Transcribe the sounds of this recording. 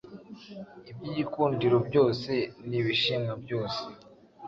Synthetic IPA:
ibɟiɟikuːndiɾo̞bɟo̞ːse̞niβiʃimɡabɟo̞ːse̥

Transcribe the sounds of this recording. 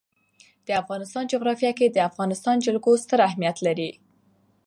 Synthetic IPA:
d̪̥əafɣɑnɪst̪ɑnd͡ʒoɣɾɑfjɑked̪əafɣɑnɪst̪ɑnd͡ʒalɡost̪əɾahmijat̪laɾi

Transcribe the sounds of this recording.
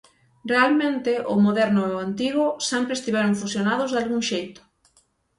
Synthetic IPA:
realmẽnt̪ɪʔʊmoðɛɾnʊeant̪iɣʊsɛmpɾest̪iβɛɾoɱfusjonaðʊzðalɣuŋʃejt̪ʊ̥

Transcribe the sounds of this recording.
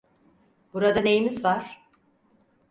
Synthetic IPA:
b̥uɾad̪ane̞jimizvaɾ̥

